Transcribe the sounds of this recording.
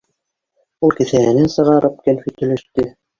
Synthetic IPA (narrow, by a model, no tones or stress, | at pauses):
ulˠkɘ̆θæænɘnsɤ̆ʁɑɾʔɤp̚kælfit̪ɵ̆lɘ̆ʃt̪ɘ